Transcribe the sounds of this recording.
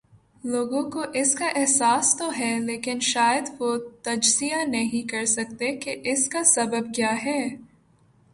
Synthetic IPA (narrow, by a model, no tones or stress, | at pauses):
loːɡõkoʔɪskaʔɛɦsaːst̪oɦɛleːkɪnʃaːjəd̪ʋot̪ɐd͡ʒsijanɐɦĩkɐɾsɐkt̪ekeʔɪskasɐbəb̚kjaːɦɛː